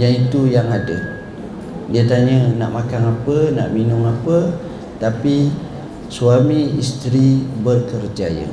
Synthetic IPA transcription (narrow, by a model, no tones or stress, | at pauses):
jaŋit̪ujaŋadə̰ | diat̪aɲənaʔmãkaŋapəna̰ʔminʊŋapə | t̪api | suamĩːst̪ɾibərkərd͡ʒajə̰